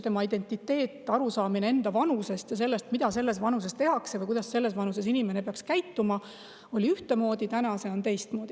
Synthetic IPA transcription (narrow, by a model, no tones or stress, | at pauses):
t̪e̞mɑid̪e̞nt̪ːˑit̪ːe̞ːt̪ːˑɑɾusɑːminee̞nd̪ɑvɑnuse̞st̪jɑse̞lːe̞st̪mid̪̥ɑse̞lːe̞svɑnus̬e̞st̪e̞ɦɑkse̞vɯjkujd̪ɑsse̞lːe̞svɑnuse̞sinimenepeɑkskæjt̪ːumɑ | o̞lʲiyht̪e̞mo̞ːd̪̥it̪ænɑse̞o̞nt̪e̞jst̪mo̞ːd̪i